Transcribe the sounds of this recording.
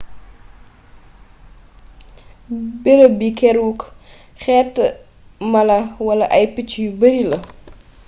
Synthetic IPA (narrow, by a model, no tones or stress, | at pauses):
bɛɾəbikɛɾuk | xɛːtːə | mɐlɐwɐlɐʔɐjpit͡ʃːjubəɾilɐ